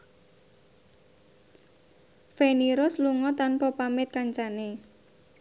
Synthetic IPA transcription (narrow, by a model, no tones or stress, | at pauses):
feniɾosluŋɔt̪anpɔpamɪt̪̚kaɲt͡ʃane